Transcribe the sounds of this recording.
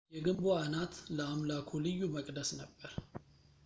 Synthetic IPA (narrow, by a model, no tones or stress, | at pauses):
jɛɡɨmboanat̪ləamlakʰolɨjːuməkʼd̪əsnəbːəɾ